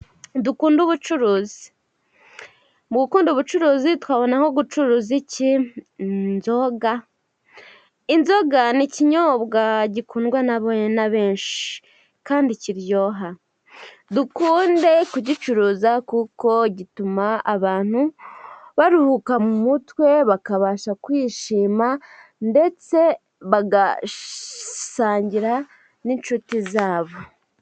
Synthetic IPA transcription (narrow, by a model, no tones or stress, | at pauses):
dukuːnduβut͡ʃuɾuːzi̥ | mɡukuːnduβut͡ʃuɾuːzitwaːβo̞naho̞ɡut͡ʃuɾuːzici | nzo̞ɡa | inzo̞ɡaniciɲobɡaɟikuːnɡwanaβoɲenaβe̞ːɲʃi̥ | kaːndiciɾjo̞ːɦa | dukuːnde̞kuɟit͡ʃuɾuːzakuːko̞ɟitumaaβaːn̥u | βaɾuhukamumutwe̞βakaβaːʃakwiːʃiːma | nde̞t͡se̞ | βaɡa | saːɲɟiɾa | ninʃutizaːβo̞